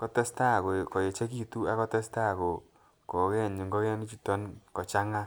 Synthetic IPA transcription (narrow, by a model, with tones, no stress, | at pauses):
kɔ˦tɛ˦sta˦˨ko˨kɔ˨je˨t͡ʃe˦ki˦tu˦a˦kɔ˦tɛ˦sta˦˨ko˨ | ko˨kɛ˦˨ɲi˨ŋɡɔ˦kɛ˦ni˦t͡ʃi˦tɔ˦nkɔ˨t͡ʃa˦ŋa˦